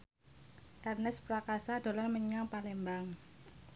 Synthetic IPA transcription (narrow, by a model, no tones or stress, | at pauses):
ʔɛrnɛspɾakasad̪̥o̤lanməɲaŋpalɛmbaŋ